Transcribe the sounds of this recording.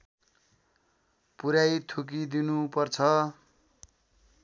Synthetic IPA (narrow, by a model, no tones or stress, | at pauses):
puɾajt̪ʰuk̬id̪inupʌrt͡sʰʌ